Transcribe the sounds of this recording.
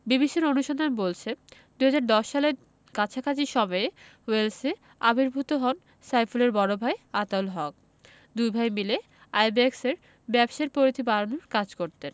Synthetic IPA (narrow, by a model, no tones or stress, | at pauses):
bibiʃeɾonuʃond̪amebolt͡ɕʰe | d̪uɦad͡ʑaɾd̪ɔʃːale | kat͡ɕʰakʰat͡ɕiʃɔmɔewelse | a̰bʱiɾbʱut̪oɦɔn | sajfuleɾbɔɾobʱaeat̪aolɦɔk̚ | d̪ujbʱajmile | ajbekseɾ | bɛbʃeɾpoɾit̪ʰibaɾonoɾkad͡ʑkoɾt̪en